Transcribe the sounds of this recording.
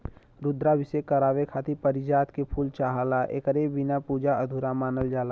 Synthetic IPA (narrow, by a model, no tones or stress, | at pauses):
ɾʊd̪ɾabʱɪsekəɾaːʋekʰaːt̪ipəɾɪd͡ʒaːt̪kepʰuːlt͡ʃaːɦalaʔḛːkəɾebɪnapuːd͡ʒaəd̪ʱuɾamaːnəld͡ʒaːla